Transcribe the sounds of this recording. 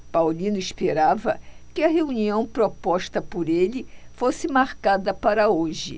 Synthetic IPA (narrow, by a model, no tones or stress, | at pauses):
pawlĩnʊispeɾavɐkɪɐɦeuniɐ̃w̃pɾopɔʃt̪ɐpoɾelɪfosɪmaɾkad̪ɐpaɾɐoʒɪ̰